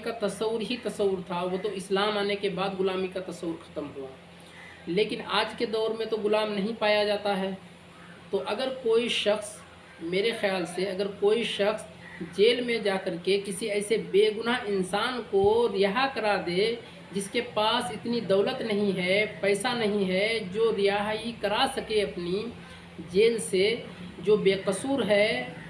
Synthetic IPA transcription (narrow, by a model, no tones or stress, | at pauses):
kat̪ɐsəwːʊɾɦit̪ɐsəwːʊɾt̪ʰaʋoːt̪oɪslaːmaːnekebaːd̪ɡʊlaːmikat̪ɐsəwːʊɾxʰɐ̥t̪əmɦua | leːkɪnaːd͡ʒked̪ɔːɾmẽt̪oɡʊlaːmnɐɦĩpaːjad͡ʒaːt̪aɦɛː | t̪oʔɐɡəɾkoːiʃəxs | meːɾexjaːlseɐɡəɾkoːiʃəxs | d͡ʒeːlmẽd͡ʒaːkəɾkekɪsiɛːsebeːɡʊnaʔɪnsaːnkoɾɪjaɦakəɾad̪eː | d͡ʒɪskepaːsɪt̪nid̪ɔːlət̪nɐɦĩɦɛpɛːsanɐɦĩɦɛd͡ʒoːɾɪjaɦikəɾasəkeɐpni | d͡ʒeːlse | d͡ʒoːbeːqəsuːɾɦɛː